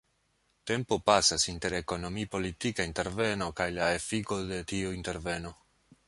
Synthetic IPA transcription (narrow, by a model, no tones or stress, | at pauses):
t̪empopasasint̪eɾeko̞no̞mipo̞lit̪ikaint̪e̞ɾveno̞kajlaefikod̪et̪iuint̪e̞ɾveno